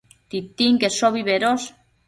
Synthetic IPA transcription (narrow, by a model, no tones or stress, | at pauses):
t̪it̪iŋɡesoβiβeɾos